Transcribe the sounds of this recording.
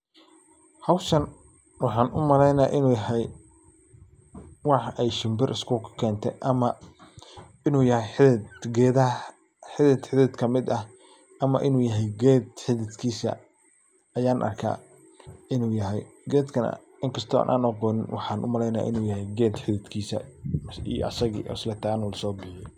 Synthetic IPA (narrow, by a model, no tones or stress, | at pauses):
hɐwʃɐn | wɑħɑːnʊmɐlɛjnaʔɪnuːjɐɦɛj | wɑħʔɛjʃɪmbɪrʔɪskʰʊkʰkʰɛːnt̪ʰɛ̰ʔɐmɐ | ɪnuːjɐhɛjħɪðɪd̪ɡɛːðɐ | ħɪðɪd̪ħɪðɪd̪kʰɐmɪd̪ɐh | ʔɐmɐ̰ʔɪnuːjɐɦɛjɡɛːd̪ħɪðɪd̪kʰiːsɐ̰ | ɐjaːnʔɐ̰rkʰa̰ː | ɪnuːjɐɦɛjɡɛːd̪kʰɐnɐ̰ | ɪŋkʰɐst̪ʰɔa̰ːnʔa̰ːnɐqɔːnɪnwɑ̰ħɑːnʔʊ̰mɐlɛjnaːʔɪ̰nuːjɐɦɛjɡɛːd̪ħɪðɪd̪kʰiːsɐ̰ḭj̰ʔɐsɐɣḭːʔɔ̰slɛt̪ʰaːnʊlɐsɔːbɪħɪjɔ